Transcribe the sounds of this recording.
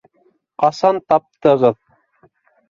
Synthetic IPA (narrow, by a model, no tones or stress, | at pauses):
qɑsɑnt̪ɑp̚t̪ɤ̆ʁɤð